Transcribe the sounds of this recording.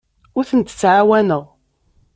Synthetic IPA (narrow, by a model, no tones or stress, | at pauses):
ʊɾθənt̪ə̥t͡sːʕawænəʁ